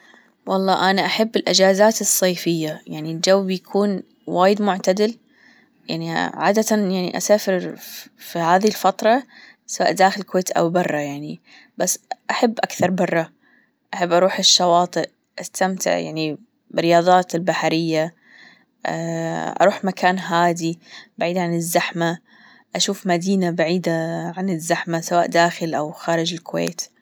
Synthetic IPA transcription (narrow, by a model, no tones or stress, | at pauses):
wɑlˤːɑːʔanaʔaħabːɪlʔɪd͡ʒaːzaːt̪ɨsˤːɑːfɪjːajaʕnild͡ʒawːbjakʰuːn | waːjɪd̪mʊʕt̪ad̪ɪl | jaʕniʕa̰ːd̪at̪ajaʕnḭʔasaːfɪɾfihaːðilfɑt̪ˤɾˤɑ | sawa̰ːʔd̪aːxɪlɪkweːt̪ʔa̰wbɑrˤːɑjaʕni | basːʔaħabːʔakθɑɾˤbɑrˤːɑ | ʔaħabːʔɑɾˤuːħɪʃːɑwɑːt̪ˤɨʔ | ʔast̪amt̪ɪ̰ʕja̰ʕni | bɪɾːɪjɑːðˤɑːt̪ɪlbaħaɾɪjːa | ʔɑ̰ɾuːħmakʰaːnɦaːd̪ibaʕiːd̪aʕanɪzːaħma | ʔaʃuːfmad̪iːnabaʕiːd̪aʕanɪzːaħmasawaːʔd̪aːxɪlʔawxaːɾɪd͡ʒɪlkʊwḛːt̪